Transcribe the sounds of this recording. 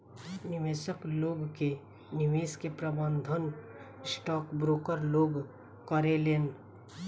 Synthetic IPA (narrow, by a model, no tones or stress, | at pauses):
nɪʋeːsəkloːɡke | nɪʋeːskepɾəbə̃nd̪ʱən | sʈɔːkbɾoːkəɾloːɡ | kəɾeleːn